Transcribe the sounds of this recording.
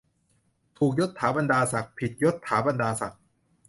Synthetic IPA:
t̪ʰuː˨˩k̚jo˦˥t̪ʰːaː˩˦ba˧ndaː˧sa˨˩k̚pʰi˨˩t̪̚jo˦˥t̪ʰːaː˩˦ba˧ndaː˧sa˨˩k̚

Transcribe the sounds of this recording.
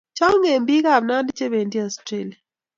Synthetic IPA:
t͡ʃa˦ŋe˨mbi˦ka˦˨βna˦ndt͡ʃe˦βe˨ndi˦ɔ˨stɾe˦lia˨

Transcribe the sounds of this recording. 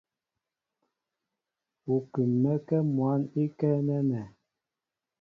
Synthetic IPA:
u˨kʉ˨mːɛ˦kɛ˦mwa˨˦ni˦kɛ˦nɛ˦nɛ˨

